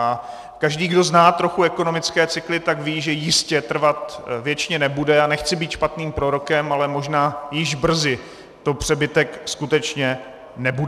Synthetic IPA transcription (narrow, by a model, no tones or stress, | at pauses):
a | kaʒdiːɡdo̞znaːt̪ɾo̞xuɛko̞no̞mɪt͡skɛːt͡sɪklɪt̪akviːʒɛjɪscɛt̪r̩vat̪vjɛt͡ʃɲɛnɛbudɛanɛxt͡sɪbiːt̪ʃpat̪niːmpɾo̞ɾo̞kɛmalɛmo̞ʒnaːjɪʒbr̩zɪ | t̪o̞pr̝̥ɛbɪt̪ɛkskut̪ɛt͡ʃɲɛ | nɛbud